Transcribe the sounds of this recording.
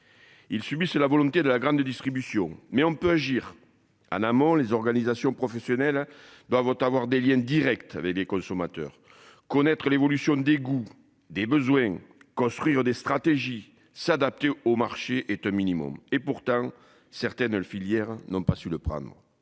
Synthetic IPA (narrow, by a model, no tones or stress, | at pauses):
ilsybisəlavɔlɔ̃t̪ed̪əlaɡʁɑ̃nd̪əd̪ist̪χibysjɔ̃mɛɔ̃mpøaʒiʁ | ɑ̰̃namɔ̃lezɔʁɡanizasjɔ̃pχɔfesjɔnɛld̪wavt̪avwaʁd̪eljɛ̃d̪iʁɛkt̪a̰vɛklekɔ̃sɔmat̪œ̰ʁ | kɔnɛt̪χəlevɔlysjɔ̃d̪eɡu | d̪ebəzwɛ̃ | kɔ̃st̪χɥiʁəd̪est̪χat̪eʒi | sad̪ap̚t̪eomaʁʃeʔɛt̪ɛ̃minimɔ̰mepuʁt̪ɑ̃ | sɛʁt̪ɛnəfiljɛʁənɔ̃pasyləpχɑ̰̃nd̪ʁə